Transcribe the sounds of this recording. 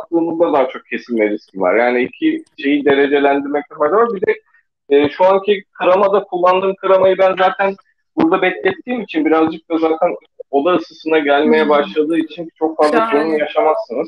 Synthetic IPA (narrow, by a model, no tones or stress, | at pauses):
ak̚lˠɯːmuzd̪ad̪aːt͡ʃʰo̞k̚cʰe̞sinlʲɛɾiscʰʲiva̰ɾjaːniicʰiʃe̞jid̪e̞ɾe̞d͡ʒe̞lʲænd̪iɾmɛc̚t̪ʰɛfaɾd̪avaɾbid̪ɛː | ʃuancʰikʰɯɾamad̪akʰulˠːand̪ɯːmkʰɯɾamajɯbænzaːt̪ʰæn | buɾd̪abɛclʲɛt̪ʰːiːmit͡ʃʰinbiɾazd͡ʒɯk̚t̪azaːt̪ʰæn | o̞d̪aɯsɯsɯnaɟælʲme̞jɛbaʃlˠad̪ɯːit͡ʃʰint͡ʃʰo̞k̚fazlˠad͡ʒonunjaʃamasːɯnɯz